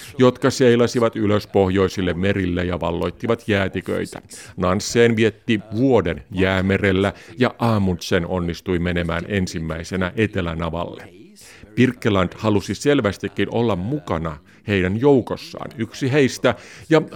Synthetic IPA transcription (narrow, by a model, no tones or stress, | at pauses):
jo̞t̪kɑse̞ilɑsiʋɑt̪yløspo̞hjo̞isilːemmeɾilːejɑʋɑlːo̞jt̪ːiʋɑt̪jæːt̪ikø̰jt̪æ̰nɑnsːeːnʋie̞t̪ːiʋuo̞denjæːmerelːæjɑʔɑːmunt̪seno̞̰nːist̪ujmene̞mæ̰ːne̞nsimːæisenæʔe̞t̪e̞læ̰nɑʋɑ̰lːḛ | pirkːelɑnd̥̪hɑlusise̞lʋæst̪ikːino̞lːɑmmukɑnɑ | he̞jdænjouwkosːɑ̰ːnyksiɦe̞ist̪æjɑ